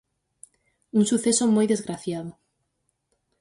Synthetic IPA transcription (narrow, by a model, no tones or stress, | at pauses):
unsuθesomojðezɣɾaθjaðo